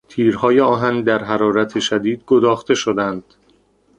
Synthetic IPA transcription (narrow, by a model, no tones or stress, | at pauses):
t̪ʰiːɾhɒːjeɒːɦænd̪æɾɦæɾɒːɾæt̪ʰe̞ʃæd̪iːd̪̚ɡod̪ɒːxt̪e̞ʃod̪ænd̪̥